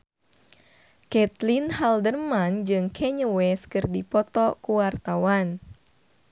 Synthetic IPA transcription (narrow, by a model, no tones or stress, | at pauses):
kɛt̪linhaldərmand͡ʒɨŋkʰɛɲəwɛskɨrdipɔt̪ɔkuwart̪awan